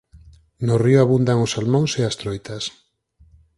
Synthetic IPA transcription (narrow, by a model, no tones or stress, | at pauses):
nʊrioaβund̪aŋʊsalmõŋseast̪ɾojt̪as